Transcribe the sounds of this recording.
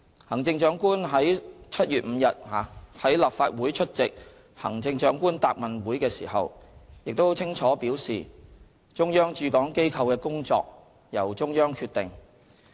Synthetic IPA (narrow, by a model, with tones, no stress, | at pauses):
hɐ˨˩ŋt͡sɪ˧ŋt͡ʃœː˨˥ŋkuː˥nɦɐ˨˥jt͡sʰɐ˥t̚jyː˨t̚m̩ː˨˧jɐ˨t̚haː˨˧hɐ˨˥jlɐ˨p̚faː˧t̚wuː˨˥jt͡ʃʰɵ˥t̚t͡sɪ˨k̚ | hɐ̰˨˩ŋt͡sɪ˧ŋt͡ʃœː˨˥ŋkuː˥nt̪aː˧k̚mɐ˨nwuː˨˥jkɛː˧sḭː˨˩hɐ̰˨wjɪ˨k̚t̪o˥wt͡sʰɪ˥ŋt͡ʃʰɔː˨˥piː˨˥wsḭː˨ | t͡ʃʊ˥ŋjœː˥ŋt͡ʃyː˧kɔː˨˥ŋke˥jkʰɐ˨˧wkɛː˧kʊ˥ŋt͡sɔ̰ː˧k̚ | jɐ˨˩wt͡ʃʊ˥ŋjœː˥ŋkʰyː˧t̪̚ɪ̰˨ŋ